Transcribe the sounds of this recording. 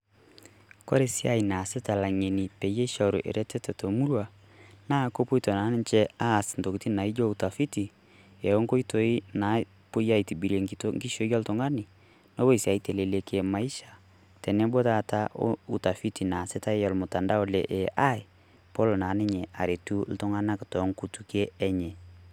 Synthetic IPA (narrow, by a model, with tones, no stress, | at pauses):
kɔ̰˦ɾe˦si˦a˦i˨na˨sɪ˦ta˨la˨ŋe˨ni˨pɛ˨je˦ʃa˨ɾo˨ʔḛ˨ɾɛ˦tɛ˦tɛ˨to˨mu˦ɾwa˨ | na˦ko˦po˦i˦tɔ˨na˨˦nɪ˦t͡ʃɛ˦a˦˨sn˨to˨kiti˦na˨i˦d͡ʒɔ˦u˨ta˨fi˦ti˨ | ɛ˨o˦ŋko˦i˦to˨˦i˦na˨ | po˦ja˦i˨ti˨bi˨ɾe˨ŋitŋɡi˦ʃo˨˦ja˦lto˨ŋɡa˦ni˨ | no˦wo˦i˨si˨a˨i˦te˨le˨le˨ke˨ma˨i˦ʃḁ˨ | tɛ˨nɛ˦bo˦ta˦˨ta˦ʔo̰u˨ta˨fi˦ti˨na˨sɪ˦ta˦jɔ˨lmʊ˨ta˨nda˦o˦lɛ˨ʔɛ˨ʔa˦ɪ˨ | po˦lo˨na˨nɪ˦ɲɛ˨a̰˨ɾe˨tu˦l̩˦tʊ˦ŋa˦na˦kɪ˨tɔ˨˦ŋku˨tu˨ke˦ɛ˦ɲɛ˨